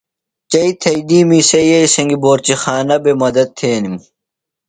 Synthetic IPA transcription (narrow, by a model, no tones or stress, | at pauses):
t͡ɕɐit̪ʰɐid̪iːmiːsɐjɐisɐŋɡiboːɾt͡ɕixaːnɐbemɐd̪ɐd̪̚t̪ʰːeːnim